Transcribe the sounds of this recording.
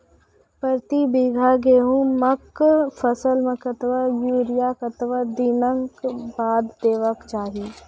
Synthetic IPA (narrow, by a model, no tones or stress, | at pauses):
pəɾt̪ibiɡʱaɡeːɦũməkfʰɐsəlmɐkɐt̪ʋajuːɾɪjaːkɐt̪ʋaːd̪ɪnə̃ŋkbaːd̪ːeːʋəkt͡ʃaːɦiː